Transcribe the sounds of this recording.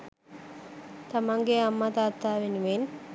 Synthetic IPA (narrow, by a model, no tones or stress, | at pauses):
t̪ɐmaŋɡeːɐmːɐt̪aːt̪ːaːʋɪnʋeːn